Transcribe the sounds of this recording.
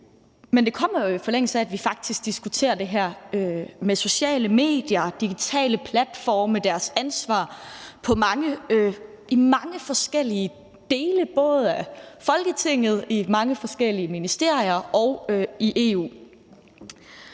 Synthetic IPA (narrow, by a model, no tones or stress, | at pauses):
mend̥e̝kʰɒ̽m̰ɐjo̝ifɒ̽leŋ̰əl̩sæːd̥ʋifɑ̈ɡ̥̚d̥isɡ̥̚d̥isɡ̥ut͡sʰe̝̰ːɐd̥e̝ɦæɐ̰ømeso̝ɕɛ̰ːləme̝̰ːd̥jɐd̥iɡ̥it͡sʰɛ̰ːləpʰlæd̥fɒːməd̥æɐsænsʋɑ̰̈ːpʰɒ̽mɑ̈ŋə | imɑ̈ŋəfɒ̽sɡ̥el̰iə | d̥e̝ːləb̥ɔ̽ːð̞̩ˠæfɒ̽lɡ̥ət͡sʰe̝ŋ̰ð̞̩ˠimɑ̈ŋəfɒ̽sɡ̥el̰iəminisd̥e̝ɐ̰iɐɒʊøiʔe̝ːṵː